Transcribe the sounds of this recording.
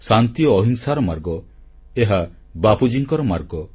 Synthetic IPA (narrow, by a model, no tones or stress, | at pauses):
sant̪ijɔːɦiŋsaɾɔmaɾɡɔ | eɦa | bapud͡ʒiŋkɔɾɔma̰ɾɡɔ